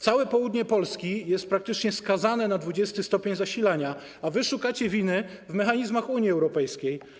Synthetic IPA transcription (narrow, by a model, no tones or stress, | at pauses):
t̪sawɛpɔwud̪ɲɛpɔlskʲijɛst̪̚pɾakt̪ɘt͡ʂɲɛskazanɛnad̪vud͡ʑɛst̪ɘst̪ɔpʲeɲzaɕilaɲaː | vɘʂukat͡ɕɛvʲinɘ | vmɛxaɲizmaxuɲjiɛwɾɔpɛjskʲej